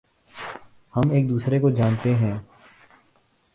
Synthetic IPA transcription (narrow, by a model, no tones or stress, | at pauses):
hɐmeːk̚d̪uːsɾekod͡ʒaːnt̪eɦɛ̃ː